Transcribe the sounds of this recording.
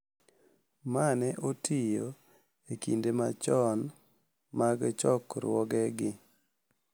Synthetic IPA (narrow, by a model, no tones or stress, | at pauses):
manɛʔotʰijo | ekḭndemat͡ʃɔn | maɡt͡ʃɔkɾwɔɡɛɡɪ